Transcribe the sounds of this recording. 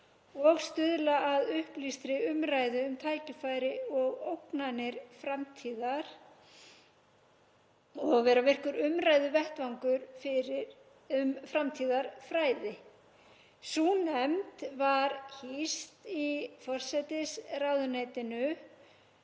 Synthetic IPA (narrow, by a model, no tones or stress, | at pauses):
ɔɣst̪ʏðlaʔaðʏhplist̪ɾɪʏmɾaːjðɪʏmt̪ʰaːjcɪfaːjɾɪɔɣowknanɪɾ̥fɾamt̪ʰiːðaɾ̥ | ɔɣvɛːɾavɪr̥kʏɾʏmɾaːjðʏvɛht̪vawŋkʏɾfɪɾɪ | mfɾamt̪ʰiːðaɾ̥fɾaːjðɪ | suːnɛmt̪vaɾhist̪ifɔr̥sɛjt̪ɪsrawðʏnejt̪ɪnʏ